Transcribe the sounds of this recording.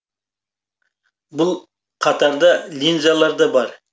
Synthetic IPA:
bʊlˠ | qʰɑt̪ɑɾd̪ɑlʲinzɑlˠɑɾd̪ɑbɑɾ

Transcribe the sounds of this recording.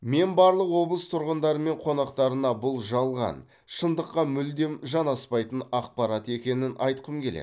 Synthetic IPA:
me̞nbɑɾlˠəqwo̞blˠəst̪ʰʊɾʁənd̪ɑɾəme̞ɴqʰo̞nɑqt̪ɑɾənɑbʊlˠʒɑlˠʁɑ̰n | ʃənd̪əqːɑmʏld̪e̞mʒɑnɑspɑjt̪ənɑq̚pɑɾɑt̪e̞kʲe̞nɪnʔɑ̰jt̪qəmkʲʰe̞lḛ

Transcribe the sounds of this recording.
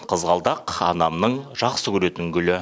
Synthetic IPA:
qʰəzʁɑlˠd̪ɑqɑnɑmnəɴʒɑqsəkʲʰɵɾe̞t̪ɪŋɡʲʏlɪ

